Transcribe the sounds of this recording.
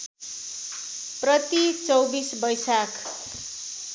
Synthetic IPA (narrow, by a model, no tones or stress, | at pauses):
prʌt̪it͡sʌwbisbʌjsakʰ